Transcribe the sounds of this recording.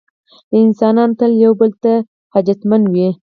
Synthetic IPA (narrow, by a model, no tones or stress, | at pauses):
ləɪnsɑnɑnot̪əljawbəlt̪a | had͡ʒat̪manwi